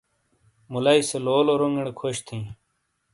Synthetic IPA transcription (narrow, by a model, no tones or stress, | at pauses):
mulaiseloːloːɾoŋɡeɳ̃ekʰoɕt̪ʰĩː